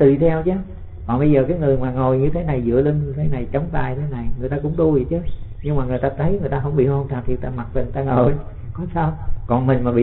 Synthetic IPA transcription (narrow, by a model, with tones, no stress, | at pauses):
t̪ɨ˨˩t̪ʰɛ˧wt͡ɕa˨˦ | kɔ˨˩nɓə˧jzəː˨˩kaː˨˦jŋɨ˨˩əjmaː˨˩ŋo˨˩jɲɨ˧t̪ʰe˨˦na˨˩jzɨ̰˧˥əli˧nɲɨ˧t̪ʰe˨˦na˨˩jt͡ɕə˨˦wŋ͡mt̪a̰ː˨˩jt̪ʰe˨˦na˨˩jŋɨ˨˩t̪aː˧kʊ̰˧˥ŋ͡mt̪u˧zi˨˩t͡ɕə˨˦ɲɨ˧ŋmaː˨˩ŋɨ˨˩əjt̪aː˧t̪ʰə˨˦jŋɨ˨˩əjt̪aː˧ɦə˧˩wŋ͡mɓḭ˧˨ho˧ŋ͡mt̪ʰaː˨˩t̪ʰi˧˩t̪aː˧˩ma˨˩t̚və˨˩ŋt̪aː˧ŋo˨˩j | kɔ˨˦saː˧wkɔ˨˩nmï˨˩ŋmaː˨˩ɓḭ˧